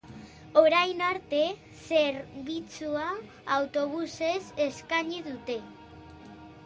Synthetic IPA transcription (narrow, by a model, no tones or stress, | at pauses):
o̞ɾajnaɾt̪e̞ | se̞ɾβit͡suaː | wt̪o̞β̞use̞se̞skaɲiðut̪e̞